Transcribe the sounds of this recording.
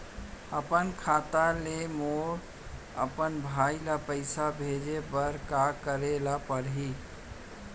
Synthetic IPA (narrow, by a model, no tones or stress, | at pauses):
əpənkʰat̪alemoɽ | ə̰pənbʱajlapəɪsabʱed͡ʒebəɾkakəɾelapəɾɦi